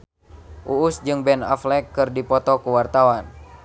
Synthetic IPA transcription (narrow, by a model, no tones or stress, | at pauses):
ʔuːsd͡ʒɨŋbɛna̰flɛkːɨrdipɔt̪ɔkuwart̪awan